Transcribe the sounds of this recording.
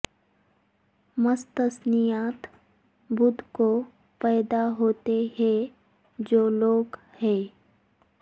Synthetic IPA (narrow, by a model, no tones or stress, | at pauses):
məst̪əsnijaːt̪ | bʊd̪ʱko | pɛːd̪aɦoːt̪eɦɛ̃ | d͡ʒoːloːɡ | hɛ̃ː